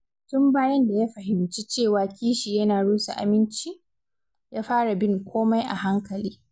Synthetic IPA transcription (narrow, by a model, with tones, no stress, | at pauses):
tʊ˦mbaː˦jɐ˦nda˨ja˦ɸɐ˨ɦɪ˨mt͡ʃi˦t͡ʃeː˦˨waː˨kʲiː˦ʃi˨jɐ˦naː˨ɽuː˦sa̰˨ʔa̰˨mɪ˦nt͡ʃi˦ | jaː˦ɸaː˦ɽa˨bɪ˦ŋkʷʰoː˦ma˦jʔa̰˨ɦa˦ŋkɐ˨liː˦